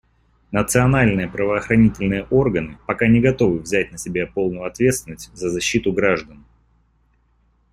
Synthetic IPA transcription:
nət̪sɨɐnalʲnɨjəpɾəvəːxɾɐnʲitʲɪlʲnɨjəʔo̞rɡənɨpɐkanʲɪɡɐt̪o̞vɨvzʲæt̚ʲnəsʲɪbʲapo̞lˠnʊjʊɐt̪vʲe̞t̪st̪vʲɪnːəsʲtʲzəzɐɕːit̪ʊɡɾaʐd̪ən

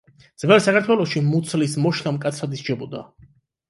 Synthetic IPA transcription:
d̪z̥vɛlˠsakʰaɾt̪ʰwɛlˠɔʃimut̪sʰlismɔʃlamkʼat̪sʰɾad̪ist͡ʃʰɛbɔd̪a̰

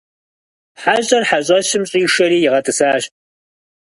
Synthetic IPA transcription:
ħaɕʼɐrħaɕʼɐsɪmɕʼiːʂɐɾiːjɪʁɐtʰʼɨsaːʃ

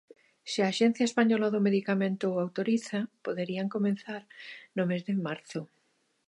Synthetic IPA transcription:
sɪaːʃen̟θjaespaɲɔlaðomeðikamẽnt̪oawt̪oɾiθapoðeɾiaŋkomẽnθaɾnomezðemaɾθʊ

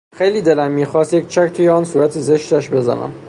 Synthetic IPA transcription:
xejliːd̪elæmːiːxɒːst̪jec̚t͡ʃʰækt̪ʰuːjeɒːnsuːɾæt̪ʰezeʃt̪æʃbe̞zæ̰næ̰m

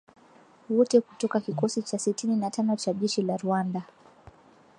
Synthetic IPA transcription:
wɔtɛkutɔkakikɔsit͡ʃasitininatanɔt͡ʃaʄɛʃilaɾuanda

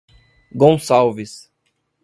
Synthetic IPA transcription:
ɡõsawvis

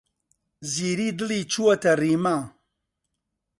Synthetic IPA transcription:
ziɾidɨlit͡ʃuwɐtɐrima

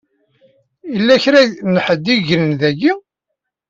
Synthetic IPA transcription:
ilːæçɾænħəd̪ːiʝɾənðæɡi

